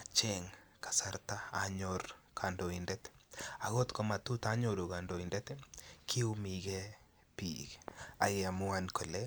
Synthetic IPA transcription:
at͡ʃɛŋkḁ˨sa˦ɾta˦a̰ɲɔɾkʰa˨ndo˨indɛt̪a˨ɣɔ˦tkɔma˨t̪u˦ta˦ɲɔɾu˨ka˨ndo˨i˨ndɛt̪ekʰi˦u˦miɣɛ | pi˨ka̰˨ɣɛa˨mʊankʰo˨lɛ

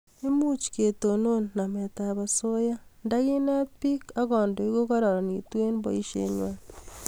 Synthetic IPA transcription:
e˦mu˦t͡ʃi̥ke˨to˨no˦nna˨me˨ta˨βa˨so˦ja˦nda˦ɣi˦na˦pi˦ka˦ɣoː˨ndo˨i˦ɣo˦ko˦ɾo˨ɾa˨ni˨twe˦nbo̰˦i˦ʃḛ˦ɲwa

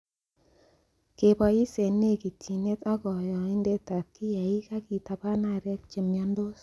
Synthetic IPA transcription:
ke˨pɔ˨ji˦se˨ne˦˨ki˨tʰi˨ne˦t̪ɔ˦kɔ˨jɔ˨i˦nde˦t̪a˨kːi˦ja˨i˦ka˦ki˨ta˨pa˦na˦˨ɾɛ˦k̚t͡ʃe˨mjɔ˦ndo˦s

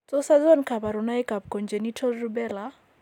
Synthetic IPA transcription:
tɔ˦sa˦zɔ˦nka˨ba˨ɾʊ˨na˦jka˨p̚kɔ˨nd͡ʒe˨ni˦tʰɔ˦lrubɛ˦la

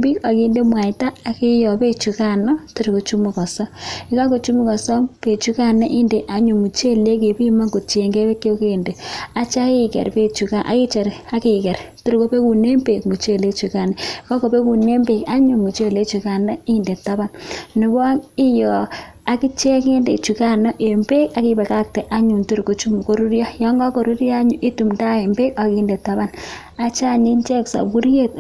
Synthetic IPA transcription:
bi˦ka˨ki˨nde˦mwa˨jtaː˦˨ki˦jɔ˨pe˦t͡ʃu˨ka˦nɔ˦ti˦ɾko˨t͡ʃu˦mu˨kɔ˨sɔ˦ɪ˦ka˦ko˨t͡ʃu˦mu˦kɔ˨sɔ˦pe˨t͡ʃu˦ka˦˨nɛ˦ʔi˦nde˨ʔa˨ɲu˨mu˨t͡ʃe˦le˦k̬e˨pi˦ma˦ɡo˨t͡ʃe˨ŋɡe˦be˦ke˦o˦ke˦˨nde˨a˨t͡ʃa˦ki˦kɛ̰˨ɾpe˦t͡ʃu˨ka˦ʔa̰˨ki˦t͡ʃe˨ɾa˦ki˨kɛ˨ɾtu˦ɾko˦pe˦ku˨ne˦mpe˨kmu˨t͡ʃe˦˨le˦t͡ʃu˨ka˨nɛ˨kɔ˦ko˨pe˦ku˨ne˦mbe˨ka˦ɲu˨mu˨t͡ʃe˦˨le˦t͡ʃu˨ka˨nɔ˦i˦nde˨tːa˦ba˨nnɪ˨ba˦ŋi˦jɔ˨ | a˨ki˦t͡ʃe˦ke˦nde˨t͡ʃu˨ka˦nɔ˦ʔe˨mbe˦ka˨ki˦bɛ˨ka˦k̚tɛ˨ʔa˦ɲu˨ntu˦˨ɾko˦t͡ʃu˦mko˨ɾu˦ɾjɔ˦jɔ˦ŋɡɔ˦ko˨ɾu˦ɾjɔ˦a˦ɲu˨ʔi˦tu˨mta˦e˨mbe˦ka˨ki˦nde˨tːa˦ba˦n | a˨t͡ʃa˦˨ɲi˦nt͡ʃɛ˦ksa̰˨bu˦ɾje˦˨t̚

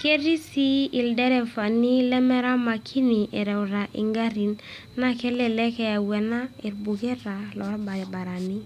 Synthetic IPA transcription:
ke˦ɾi˦si˦i˨ldɛ˦ɾɛ˨fa˨ni˦lɛ˦mɛ˦ɾa˦ma˨kʰi˦ni˨ʔɛ˨ɾɛ˨ʊ˨ɾa˨ʔɪ̰˨ŋɡa˦ɾi˨n | na˦kɛ˦lɛ˨lɛ˦kɛ˦a˨wɛ˨na˦ɪ˨ɾbu˨kɛ˦ɾa˨lɔ˨˦ba˨ba˨ɾa˨ni˦

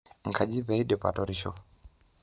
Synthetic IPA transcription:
ŋ̩˨kʰa˨d͡ʒi˦pɛ˨i˦ɗɛ˨pa̰˨tɔ˨ɾiʃɔ̰˨

